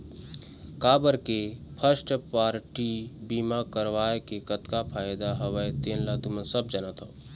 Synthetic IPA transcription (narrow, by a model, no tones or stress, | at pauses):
kaːbəɾkepʰəsʈpaːɾʈibimakəɾʋaːekekət̪kapʰaːjd̪aɦəʋəjt̪eːnlat̪umə̃nsəbd͡ʒaːnat̪ɦoː